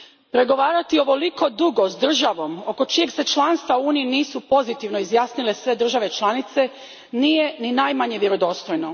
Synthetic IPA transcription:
pɾe̞ɡo̞ʋaːɾat̪io̞ʋo̞liko̞d̪uɡo̞zd̪r̩ʒaʋo̞mo̞ko̞t͡ʃijeɡse̞t͡ʃlˠaːnst̪ʋauuːniiniːsupo̞zit̪iʋno̞izjaːsnile̞sʋe̞d̪r̩ʒaʋe̞t͡ʃlˠanit̪se̞ | nije̞ninaːjmaɲeʋje̞ɾod̪o̞ːst̪ojno

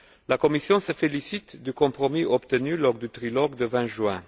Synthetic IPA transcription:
lakomisjɔ̃səfelisit̪d̪ykɔ̃pʁɔmiɔpt̪ənylɔʁd̪yt̪ʁilɔɡd̪əvɛ̃ʒɥɛ̃

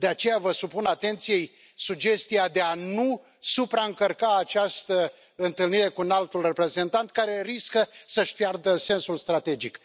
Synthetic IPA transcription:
d̪eat͡ʃe̞javəsupunat̪e̞nt̪sije̞j | sud͡ʒe̞st̪ijad̪e̞anu | supɾaɨŋkərkaːt͡ʃast̪ə | ɨnt̪ɨlniɾe̞kuɨnalt̪ulre̞pɾe̞ze̞nt̪ant̪̚kaɾe̞riskəsəʃʲpjard̪əse̞nsulst̪ɾat̪e̞d͡ʒik

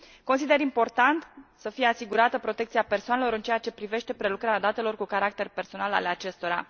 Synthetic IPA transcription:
kons̬id̪e̞ɾimpo̞rt̪ant̪səfije̞asiɡuɾat̪əpɾot̪e̞kt̪siape̞rsoanelo̞ɾɨnt͡ʃejat͡ʃe̞pɾive̞ʃt̪e̞pɾe̞lukɾaɾʲad̪at̪e̞lo̞rkukaɾak̚t̪e̞rʲpe̞rso̞nala̰leat͡ʃe̞st̪o̞ɾa̰

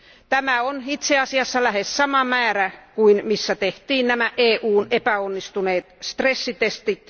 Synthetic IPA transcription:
t̪æmæonit̪seɑsiɑsːɑlæhessɑmɑmæːrækuinmisːæt̪eht̪iːnnæmæʔeːʔuːnepæonːist̪uneːt̪st̪resːit̪est̪it̪

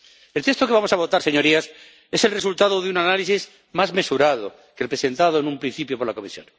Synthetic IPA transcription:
e̞lt̪est̪okeβamo̞saβo̞t̪aɾse̞ɲo̞ɾias | e̞se̞lresult̪aðoðeunanalisiz | mazme̞suɾað̞o | kelpɾe̞se̞nt̪aðoenumpɾĩn̟θipjopo̞ɾlako̞misjo̰n

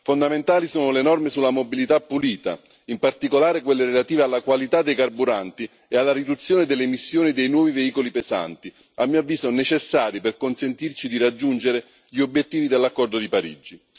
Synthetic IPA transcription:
fond̪ament̪aːlisuːnolenɔrmesulːamobilit̪apːuliːt̪a̰ | impart̪ikolaːɾekwelːeɾelat̪iːvealːakwalit̪ad̪ːejkarbuɾant̪i | ealːaɾid̪ut̪sːjoːned̪elːemisːjoːnid̪ejnwɔːviveiːkolipeza̰nt̪i | amːiːavːiːsonet͡ʃesːaːɾiperkonsent̪irt͡ʃid̪irad͡ʒːund͡ʒeɾe | ʎiobjet̪ːiːvid̪elːakːɔrd̪od̪ipaɾḭd͡ʒi

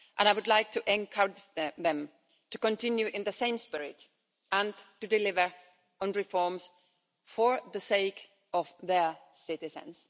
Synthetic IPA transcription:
ʔə̃naɪwʊdlaɪk̚tʰuʔɛ̃nkʰʌɹɪd͡ʒððɛ̃m | tukɔ̃ntɪ̃njʉʔɪ̃nðəsẽɪ̃mspɪɹɪ̰t | ə̃ntɨdɪlɪvə˞ | ə̃nɹɪfɔɹms | fə˞ðəseɪk | ɔvðə˞ | sɪtɪzə̰̃ns

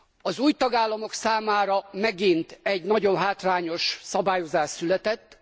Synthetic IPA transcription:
ɒzuːjt̪ɒɡaːlːɒmo̞ksaːmaːɾɒmɛɡint̪ɛɟnɒɟo̞nɦaːt̪raːɲo̞ʃsɒbaːjo̞zaːʃsylɛt̪ɛt̪ː

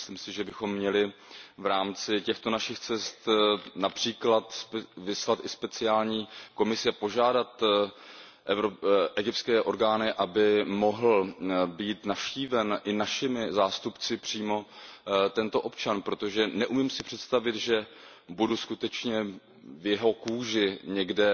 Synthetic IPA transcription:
sliːmsɪʒɛbɪxo̞mːɲɛlɪvɾaːmt͡sɪcɛxt̪o̞naʃɪxt͡sɛst̪napr̥iːklat̪vɪslat̪ʔɪspɛt͡sɪaːlɲiːko̞mɪsɪapo̞ʒaːdat̪ | ʔɛɾoʔɛɡɪp̚tskɛːʔo̞ɾɡaːnɪʔabɪmo̞ɦl̩biːt̪nafʃciːvɛnʔɪnaʃɪmɪzaːst̪upt͡sɪpr̝̥iːmo̞t̪ɛnt̪o̞ʔo̞p̚t͡ʃanpɾo̞t̪o̞ʒɛnɛʔumɪmsɪpr̝̥ɛt̪st̪avɪt̪ʒɛ | buduskut̪ɛt͡ʃɲɛ | vjɛɦo̞kuːʒɪɲɛɡdɛ

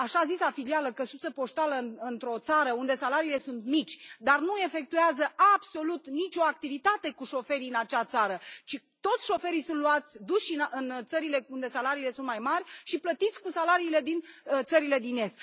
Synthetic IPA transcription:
aʃazisafilialəkəsut̪səpo̞ʃt̪aləɨɨnt̪ɾo̞t̪saɾəund̪e̞salaɾiːle̞sunt̪mit͡ʃʲd̪arnue̞fe̞k̚t̪ueazəʔabso̞lut̪nit͡ʃʲo̞ak̚t̪ivit̪at̪e̞kuʃo̞fe̞ɾiɨnat͡ʃat̪saɾət͡ʃi | t̪o̞t̪sʲʃo̞fe̞ɾijsunt̪luat̪sʲd̪uʃiʔɨnt̪səɾile̞und̪e̞salaɾiːle̞sunt̪̚majmarʲʃiplət̪it̪sʲkusalaɾiːle̞d̪int̪səɾile̞d̪ine̞st̪

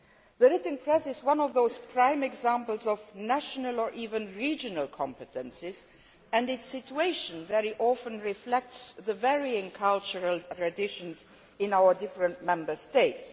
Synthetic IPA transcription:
ðəɹɪtn̩pʰɹ̥ɛsɪzwʌ̃nɔvðoʊz̥pʰɹ̥ãɪ̃mɨɡzæ̃mpəl̩ˠzɔvnæʃənəlˠə˞ʔiːvɨ̃nɹid͡ʒɨnəlˠkʰɑ̃mpɨtɨ̃nsɪz | ɨ̃ndɪtsɪt͡ʃueɪʃɨ̃nvɛɹiʔɔfə̃nɹɪflɛk̚tsðəvɛɹiɪ̃ŋkʰʌlˠt͡ʃəɹəlˠttʰɹ̥ɨdɪʃə̃nz | ɪ̃naʊə˞dɪfɹə̃ntmɛ̃mbə˞steɪts

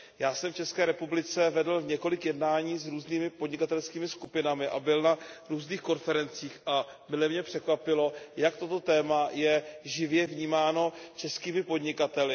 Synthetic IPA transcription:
jaːsɛmft͡ʃɛskɛːɾɛpublɪt͡sɛvɛdl̩ɲɛko̞lɪkjɛdnaːɲiːzɾuːzniːmɪpodɲɪkat̪ɛlskiːmɪskupɪnamɪʔa̰bɪlnaɾuːzniːxko̞nfɛɾɛnt͡siːxʔa | mɪlɛmɲɛpr̥ɛkvapɪlo̞jak̚t̪ot̪o̞t̪ɛːmajɛʒɪvjɛvɲiːmaːno̞t͡ʃɛskiːmɪpo̞dɲɪkat̪ɛlɪ

